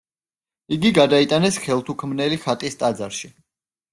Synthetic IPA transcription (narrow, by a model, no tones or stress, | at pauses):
iɡiɡad̪ait̪ʼanɛsχɛlˠt̪ʰukʰmnɛliχat̪ʼist̪ʼad̪zaɾʃi